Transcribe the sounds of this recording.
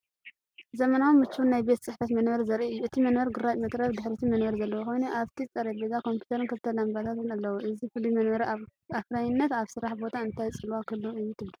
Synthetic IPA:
zɐmɐnawumːɨt͡ʃːunːajbe̞t̪t͡sʼɨħfɐt̪mɐnbɐɾizɐɾʔiɨjːuɨt̪ʰimɐnbɐɾɡɨɾat͡ʃmɐt̪ʼɾɐβd̪ɨħɾit̪ʰimɐnbɐɾzɐlːɐwoxo̞jnuʔaβt̪ʰiɨt͡sʼɐɾɐbezakʰo̞mpʰjut̪ʰɐɾɨnkʰɐlt̪ʰɐlambat̪ʰat̪ɨnɐlːɐwuʔɨzifɨlːimɐnbɐɾafɾajɪnːɐt̪aβsɨɾaħbo̞t̪ʰaɨnt̪ʰajt͡sʼɨlwakʰɨlːoɨjːut̪ʰɨblɨ

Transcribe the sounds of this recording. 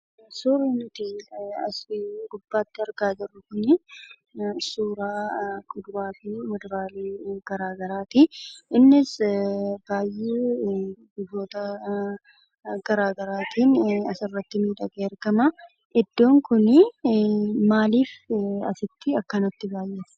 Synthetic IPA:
suːɾiːnʊt̪iɐsɡʊbːaːt̪ːɪɐɾɡaːd͡ʒɪrːʊkʊnɪ | suːɾaːkʊd̪ʊɾaːt̪imɛd̪ɾaːliːɡ̥ɐɾaːɡɐɾaːt̪ɪʔɪnːɪs | b̥aːjːeː | ɡʊbːo̞ːt̪ɐ | ɡ̥ɐɾaːɡɐɾaːt̪iːnɐsɪrːɐt̪ːɪmiːᶑ̪ɐɡʼeːɐɾɡɐmɐ | ɛd̪ːo̞ːŋkʊnɪ | maːliːfɐ̰sɪt̪ːɪɐkːɐnɐt̪ːɪbaːjʔːe

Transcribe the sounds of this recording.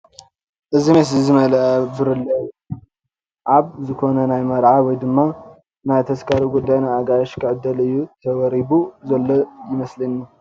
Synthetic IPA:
ʔɨzimɐs̬lizɨmɐlɐʔɐbɨɾɨlːɐj | ʕaβzɨkʰo̞nɐnajmɐɾʕawɔjd̪ɨmːa | najt̪ʰɐskʰaɾiɡud̪ːajnajaɡajɐʃkʰɨʕɨd̪ːɐlɨjːut̪ʰɐwɐɾibuzɐlːojɪmɐslɐnju

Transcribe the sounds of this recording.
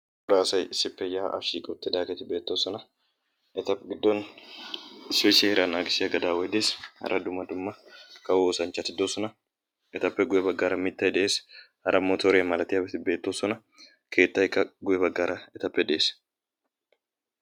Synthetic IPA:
bʊɾaːsɐjɪsːɪpːɛjaːʔɐ̰fʃiːkʼɔbt̪ːɪd̪aːkɛt̪ɪbe̞ːt̪ːoːsɔnɐ | ɛt̪ɐpːɡɪd̪ːɔn | ɪspeːsɐɪɾanaːɡɪsɪɐɡɐd̪aːwɔjd̪eːshɐ̰ɾʔɐd̪ʊmːɐd̪ʊmːɐkɐwoːsɐnt͡ʃːɐt̪ɪd̪oːsɔnɐ | ʔɛt̪ɐpːɛɡʊjɛbɐɡːaːɾɐmɪt̪ːɐjd̪ɛʔeːs | hɐɾʔɐmɔt̪oːɾjɐmɐlɐt̪ɪjɐbɛt̪ɪbe̞ːt̪ːoːsɔnɐ | kʰe̞ːt̪ːɐjkːɐɡʊjɛbɐɡːaːɾɐɛt̪ɐpːɛd̪ɛeːs

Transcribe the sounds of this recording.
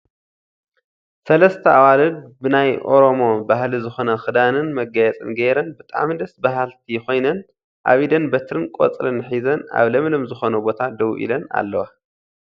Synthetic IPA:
sɐlɐst̪ʰɐʔawalɨnbɨnajʔo̞ɾo̞mo̞bahlizɨxo̞nɐxɨd̪anɨnmɐɡɐjɛt͡sʼɨ̰nɡeɾɐnbɨt̪ʼa̰ʕmd̪ɐsbaɦalt̪ʰijxo̞jnɐn | ʔa̰βid̪ɐnbɐt̪ʰɾɨnkʼo̰t͡sʼlɨnħizɐna̰βlɐmlɐmzɨxo̞nubo̞t̪ʰad̪ɐwʔḭlɐna̰lːɐwa

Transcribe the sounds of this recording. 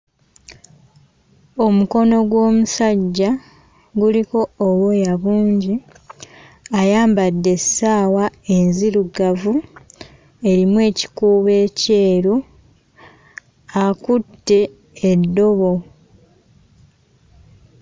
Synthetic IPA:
o̞muko̞no̞ɡwo̞ːmusaɟːa | ɡuliko̞ːβejaβuːɲɟi | ajaːmbadːe̞saːwae̞nziɾuɡavu | e̞ɾimwe̞ːci̥kuːβe̞ːce̞ːɾu | akutːe̞ː | dːo̞βo̞

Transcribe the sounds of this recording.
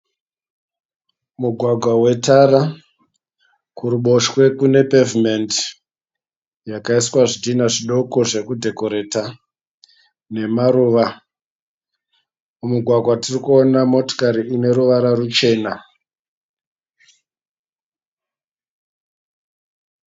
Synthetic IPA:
muɡʱwaɡʱwawe̞taɾa | kuɾuɓo̞ʃwe̞kune̞peviment | jakaiswaʐidinaʐiɗo̞ko̞ʐe̞kudʱe̞ko̞ɾe̞ta | ne̞maɾuːʋa | umuɡʱwaɡʱwatirikuonamo̞to̥kaɾiːne̞ɾuʋaɾarut͡ʃe̞ːna

